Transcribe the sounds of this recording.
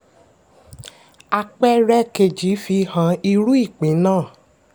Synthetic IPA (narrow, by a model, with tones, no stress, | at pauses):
a˧k͡pɛ˦ɾɛ˦ke˨d͡ʒi˨˦fi˧hã˨˧˦i˧ɾu˦i˦˨k͡pĩ˨˦nãː˦˨